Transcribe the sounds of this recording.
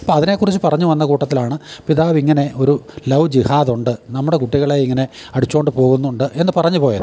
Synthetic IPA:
ɐpoːɐðine̞ːkːurit͡ɕːɨpɐrɐɲːuʋɐnːɐkuːʈːɐt̪ːilaːɳɨpiðaːʋiŋːɐne̞o̞ɾulɐʋd͡ʑihaːðuɳɖɨnɐmːuɽe̞kuʈːiɣɐɭaːjiŋːɐne̞ɐɽit͡ɕːo̞ːɳɖɨpo̞ːɣunːuɳɖɨʔe̞nːɨpɐrɐɲːupo̞ːjɐðɨ

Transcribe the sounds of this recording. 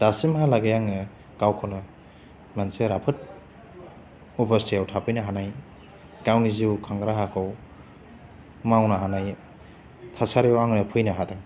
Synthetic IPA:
d̥asimɦalaɡejaŋɯ | ɡawkʰonɯ | manseɾapʰɯt̚ | ɔpastijawtʰapʰɯjnaɦanaj | ɡawniziwkʰaŋɡɾaɦakʰɯw | mawnaɦanaj | tʰasaɾewaŋnɯpʰɯjnɐɦadaŋ

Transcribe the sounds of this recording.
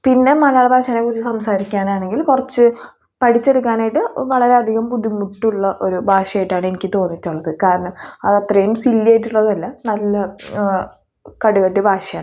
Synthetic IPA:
pinːe̞mɐlɐjaːɭɐbʱaːʂanekːurit͡ɕːɨsɐmsaːɾikʲːaːnaːɳe̞ŋɡilkurɐt͡ɕːɨ | pɐʈʰit͡ɕːeɽukːaːnaːjiʈːɨʋɐɭɐɾe̞ɐd̪ʱiɣɐmpuðimuʈːuɭːɐʔo̞ɾubʱaːʂɐjʈːaːɳɨe̞nikʲːɨt̪o̞ːnːitːuɭːɐðɨkaːɾɐɳɐmɐðɐt̪rɐjumsilːeːjʈ̬ːuɭːɐðɐlːɐnɐlːɐ | kɐɽukɐʈːibʱaːʂɐjaːɳ

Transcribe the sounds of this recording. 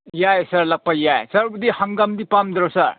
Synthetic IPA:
jajsɐɾlɐk̚pɐjajsɐɾbudihɐŋɡamdipamd̪ɾosɐɾ

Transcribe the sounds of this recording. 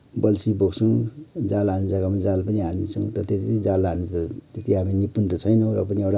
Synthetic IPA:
bʌlsiboɡsuŋd͡zalanid͡zaɡamad͡zalpʌniɦanisʰuŋt̪ʌt̪et̪id͡zalanit̪ʌt̪et̪iɦaminipːunt̪ʌt͡sʰʌjnʌɾʌpʌniewɽa

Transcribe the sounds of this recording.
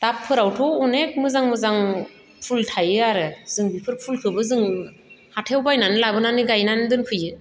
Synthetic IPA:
d̥apʰːɯɾawtʰɔwɔnek̚mɯzaŋmɯzaŋ | pʰultʰajɯaɾɯzɯŋbipʰɯɾpʰulkʰɯbɯzɯŋ | hatʰewbajnanɯlabɯnanɯɡajnanɯdɯnpʰɯjɯ

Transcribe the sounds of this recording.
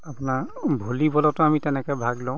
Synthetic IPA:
apʊnaɹbʱolibɔlɔtʊamitɛnɛkɛbʱaɡlɔʊ̃

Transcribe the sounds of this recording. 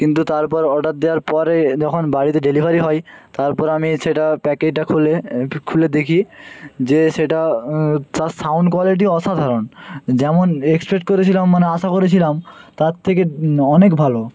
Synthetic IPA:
kint̪̬ut̪aɾpɔɾɔʈaɾ̚d̪ewaɾpɔɾed͡ʑɔkʰonbaɽit̪eɖelibʱaɾiɦɔjt̪aɾpɔɾamiʃeʈapɛked͡ʑʈakʰulekʰuled̪ekʰid͡ʑeʃeʈa | t̪asawɳɖkwaliʈ̬iɔʃad̪ʱaɾond͡ʑɛmonekspɾek̚ʈ̚koɾet͡ɕʰilamːaneaʃakoɾet͡ɕʰilamt̪aɾt̪ʰekeɔnekbʱalo

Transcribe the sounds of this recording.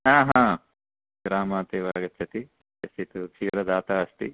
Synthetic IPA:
ɦaːɦaãː | ɡɾaːmaːt̪eːʋaːɡɐtt͡ʃʰːɐt̪i | ɐst̪it̪ut͡ʃʰiːɾɐd̪aːt̪aːɐst̪ḭ

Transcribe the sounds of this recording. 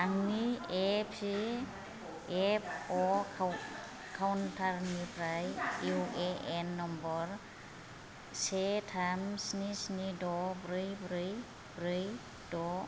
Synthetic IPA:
aŋniepsi | ep̚ʰɔ | kʰawntʰaɾnipʰɾajuʔeʔenːɔmbɔɾ | setʰamsnisnidɔbɾɯjbɾɯj | bɾɯj | dɔ

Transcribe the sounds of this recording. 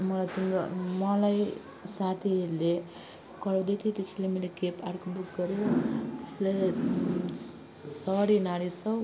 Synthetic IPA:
mʌlajt̪inmʌlaj | sat̪ʰile | kʌɾawd̪et̪ʰit̪eslemelekepaɽkobukɡʌɾjot̪e̥sle | sʌɾinaɾisʰʌ

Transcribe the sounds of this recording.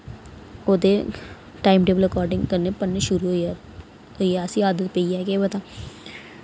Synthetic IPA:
oːd̪e | ʈaːɪmʈeːbəlɾɐkɔːɾɖɪ̃ŋɡkɐɾnepɐnːeʃʊɾuɦoa | ɦoijasiaːd̪ət̪peijakebɐt̪a

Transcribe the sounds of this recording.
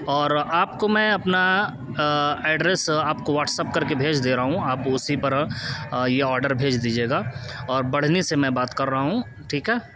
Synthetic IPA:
ɔːɾaːp̚komɛ̃ɐpna | ɛːɖɾesaːpkoʋaːʈsəp̚kɐɾkebʱeːd͡ʒd̪eːɾaɦaɦũaːpʊsipɐɾ | jeɔːɾɖəɾbʱeːd͡ʒd̪iːd͡ʒieːɡaːɔːɾbɐɽ̤nesemɛ̃baːt̪kɐɾːɐɦaɦũ | ʈʰiːkɦɛː

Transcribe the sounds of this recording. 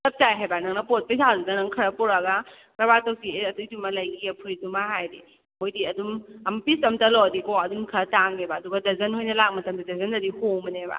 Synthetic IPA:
sɐp̚tajɦajbanɐŋnɐpot̚pɐjsʰazudanɐŋkʰɐɾɐpɔɾaɡa | kɐbatɐwsieɐtujdumɐlɐjɡiɐpʰuɾitumaɦajdi | mojdiɐdumɐmpisɐmtɐlɔɐdikoɐdumkʰɐɾɐtaŋebɐːduɡɐdɐzɐnhojnɐlak̚mɐtɐmdidɐzɐndɐdihomɐneba̰

